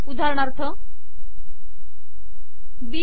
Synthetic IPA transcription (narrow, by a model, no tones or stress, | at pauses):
ud̪ʱaɾɔɽ̃ʌɾt̪ʰʌ | bi